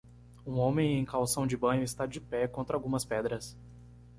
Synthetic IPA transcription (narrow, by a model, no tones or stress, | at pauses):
ũõmẽj̃ẽj̃kawsɐ̃w̃d͡ʒɪbɐ̃ɲʊɪst̪ad͡ʒɪpɛkõnt̪ɾɐawɡũmɐspɛd̪ɾɐs